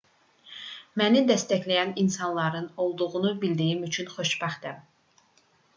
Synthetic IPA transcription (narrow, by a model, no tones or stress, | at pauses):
mænid̪æst̪æçlæjæninsɑnlˠɑɾɯno̞lˠd̪uʁunubild̪ijimyt͡ʃʰynχo̞ʃbɑχd̪æm